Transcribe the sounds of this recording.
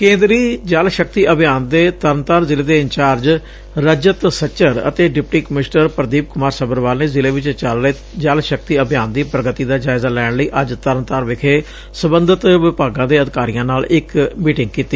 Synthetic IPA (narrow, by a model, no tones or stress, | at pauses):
kẽːnd̪ɾiːd͡ʒəlʃək̚t̪iːʔəbɪjaːnd̪eːt̪əɾnt̪aːɾzɪleːd̪eːɪnt͡ʃaːɾd͡ʒ | ɾəd͡ʒət̪sət͡ʃəɾə̰t̪eːɖɪpʈiːkəmɪsʈəɾpəɾd̪iːp̚kʊmaːɾsəbəɾʋaːlneːzɪleːʋɪt͡ʃt͡ʃəlɾəeː | d͡ʒəlʃəkt̪iːəbjaːnd̪iːpɾəɡət̪iːd̪aːd͡ʒaːɪzaːlɛːɳləiːʔəd͡ʒt̪əɾnt̪aːɾʋɪkʰeː | səbənd̪ət̪ʋɪpaːɡãːd̪eːəd̪ɪkaːɾijãːnaːlɪkmiːʈɪ̃ŋɡ̚kiːt̪iː